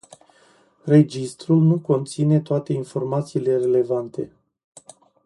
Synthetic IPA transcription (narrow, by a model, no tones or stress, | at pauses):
re̞d͡ʒist̪ɾulnuko̞nt̪sine̞t̪oat̪e̞info̞rmat̪siːle̞re̞le̞vant̪e̞